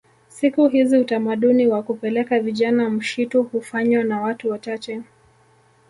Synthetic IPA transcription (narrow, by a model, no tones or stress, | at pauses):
sikuɦiziutamaɗuniwakupɛlɛkaviʄanam̩ʃituhufaɲwanawatuwat͡ʃat͡ʃɛ